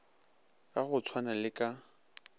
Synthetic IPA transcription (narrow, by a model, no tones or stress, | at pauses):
aɣʊt͡sʰwanalɪkʼa